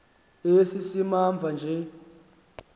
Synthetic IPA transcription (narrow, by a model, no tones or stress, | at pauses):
esisimaɱb̪vʱand͡ʒʱɛ